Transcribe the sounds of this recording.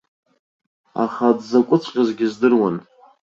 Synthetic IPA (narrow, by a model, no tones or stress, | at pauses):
a̰χadzakʷʼʊt͡sʷʼqʲʼazɡʲɪzdɨrwan